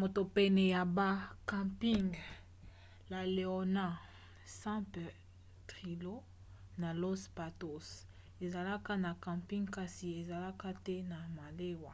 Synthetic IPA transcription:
mo˨to˨pɛ˦nɛ˨ja˨ba˦kã˨mpi˦ŋɡ | la˨le˨o˨na˦˨ | sã˦mpɛ˨ | tʁi˨lo˦ | na˨lo˦spa˨to˦s | e˨za˨la˦ka˦na˨kã˨mpi˦ŋɡka˦si˨e˨za˨la˦ka˦tɛ˦na˨ma˨le˦wa˨

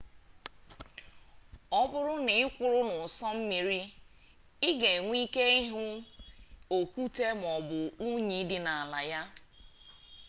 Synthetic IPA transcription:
ɔ˦bʊ˦ɾʊ˦nɪ˨ɪ˦kʷʊ˨ɾʊ˦nʊ˨sɔ˦m̩˦mi˨ɾi˦ | ɪ˦ɡe˨ŋʷ˦i˦ke˦i˦ɦʊ˦ | o˨kʷu˦te˦m˨ɔ˨bʊ˨u˦ɲi˨˦dɪ˦na˨a˨la˨ja˦

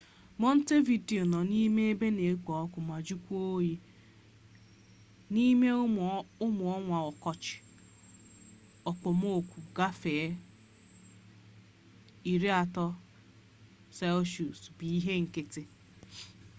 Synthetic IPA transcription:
mɔ˦n̩˦te˦vi˨di˨o˨nɔ˨ni˦me˦e˦be˦ne˨˦k͡pɔ˨ɔ˦kʊ˨m˨a˨d͡ʒu˦kʷu˦o˦ji˦ | ni˦me˦ʊ˦mʊ˨ɔ˦ŋʷa˨ɔ˨kɔ˦t͡ʃɪ̥˨ | ɔ˨k͡pɔ˨m˦o˦o˨kʷu˨ɡa˦fe˨˦ | i˨ɾi˦a˨tɔ˦ | sɛ˦lʃu˨sbi˨i˦ɦe˦ŋ̩˨kɪ˦tɪ˦

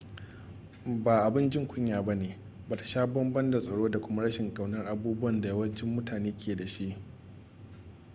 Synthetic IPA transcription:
ba˨ʔa˨bɪ˦nd͡ʒɪ˦ŋkʷʊ˦ɲjaː˨ba˦neː˨ | baː˨ta˨ʃaː˦bɐ˦mbɐ˦nda˨sʼɐ˨ɽoː˦da˨kʷʊ˦ma˦ɽɐ˦ʃɪ˨ŋkʼa˨wnɐ˦rʔa˨buː˦bʊ˦ɐ˨nda˨ja˦wɐ˦nt͡ʃɪ˦mːʊ˦tʰaː˨neː˦kʲʰeː˨da˨ʃi˦ʔ

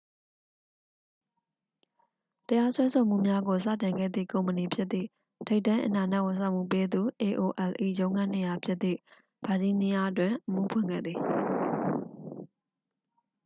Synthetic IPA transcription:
təja˦swɛ˦so˨m̥ṵ˦˨mja˦ɡo˨s̬ä̰˦˨tɪ̃˨ŋɡɛ̰˦˨d̪ðḭ˦˨kõ˨ʊ̃mə˨ni˨pʰjɪ˦t̪t̪ðḭ˦˨ | tʰe˦ɪtːã˦ʔə˨na˨na˦˨wɪ̃˨s̬ã˦˨m̥ṵ˦˨pe˦d̪u˨ʔe˨ʔo˨ʔɛ˨lʔḭ˦˨jõ˦ʊ̃ŋã˦ne˨ja˨pʰjɪ˦t̪ðḭ˦˨ | b̥a˨d͡ʑi˦nɪ˦ja˦ʔət̬wɪ̃˨ʔəmṵ˦˨pʰwɪ̰̃˦˨ŋɡɛ̰˦˨d̪ði˨

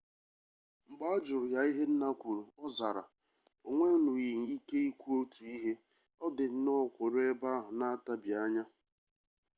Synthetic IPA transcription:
ŋ͡m̩˨ɡ͡ba˦ɔ˦d͡ʒʊ˨ɾʊ˨ja˨i˦ɦe˦n̩˦na˦kʷu˨ɾu˨ɔ˦za˨ɾa̰˨ | o˨ŋʷe˦nʊ˨i˨ŋ̩˨i˦ke˦i˦kʷu˦o˦tu˨i˦ɦe˦ | ɔ˦dɪ˨n̩˦nɔ˦˨kʷʊ˨ɾe˦ba˦ɦʊ˨na˦a˦ta˦bja˦ɲa˦

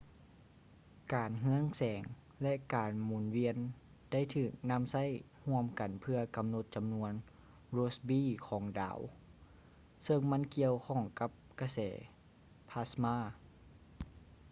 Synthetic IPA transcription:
kaː˨nɦɯ˧˥əŋsɛː˨˩ŋ | lɛ˧ʔkaː˨˩nmuː˨˩nwi˧˥ən | d̥a˥˩˨jt̪ʰɯː˧˩k̚na˧˥˨msa˧˥˨j | hu˧˥˩əmka˨˩npʰɯ˧ɐka˨mno˧˦t̪̚t͡ɕa˨mnu˧˥ən | ɾoː˧˦˥sbiː˧˥˨kʰɔː˩˦ŋda̰ː˨˦w | sɤ˧ŋma˧˥˨nki˧əwkʰɔː˧˩ŋka˧˦˥p̚ka˧sɛː˨˩ | pʰa˧˥smaː˧˥˩

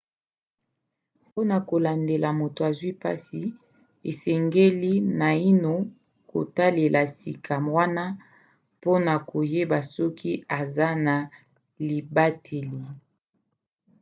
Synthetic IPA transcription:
po˦na˨ko˨la˨nde˨la˨mo˨to˨a˨zwi˦pa̰˦si˨ | e˨sɛ˨ŋɡe˦li˦na˨i˦no˨ | ko̰˨ta˦le˨lʔa˨si˨kʰa˨mwa˦na˦ | po˦na˨ko˨je˦ba˨sɔ˦kʰi˦a˨za˦na˨ | li˨ba˦tʰe˨li˨

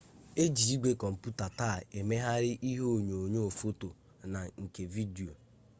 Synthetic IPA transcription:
e˦d͡ʒi˨i˦ɡʷe˦kɔ˨m̩˨pu˦ta˨ta˦˨e˨me˦ɦa˦ɾɪ˦ʔi˦ɦo˦o˨ɲo˨o˨ɲo˦o˨fo˦to˨ | na˨ŋ̩˨ke˨vi˦di˨o˨

